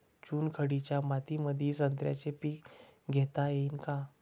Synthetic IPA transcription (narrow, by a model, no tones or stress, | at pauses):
t͡ɕuːnkʰəɽit͡ɕjamat̪iməd̪ʱisənt̪ɾja̰t͡ɕepiːkɡʱɛt̪ajeinka